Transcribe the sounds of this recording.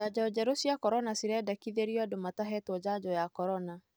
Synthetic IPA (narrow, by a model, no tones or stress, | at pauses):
ad͡ʑaɔd͡ʑɛɾusijakɔɾɔnasiɾɛdakiðeɾiɔdomataɦɛtwɔd͡ʑad͡ʑɔjakɔɾɔna